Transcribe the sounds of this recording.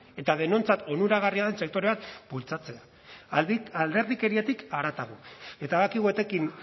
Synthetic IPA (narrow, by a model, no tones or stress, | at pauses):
e̞t̪að̞e̞no̞nt͡sat̪o̞nuɾaɣ̞ariaðe̞nse̞k̚t̪o̞ɾe̞βat̪bult͡sat͡se̞a | ald̪e̞ɾðike̞ɾiet̪ikaɾat̪aɣ̞ue̞t̪aðakiɣue̞t̪e̞kin